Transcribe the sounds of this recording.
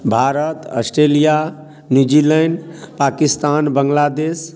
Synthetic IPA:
bʱaɾət̪ə̰sʈɾelija | njud͡ʒilɛɳɖpakist̪anbəŋɡlad̪eːs

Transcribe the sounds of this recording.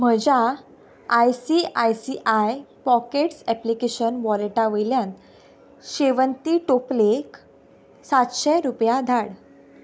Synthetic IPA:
m̤əd͡ʑaː | jsiajsiʔajpɔkeʈsɛplikeɕənʋɔleʈaʋəjljan | ɕeʋənt̪iʈoplek | sat̪ɕɛɾupjad̪ʱaɽ

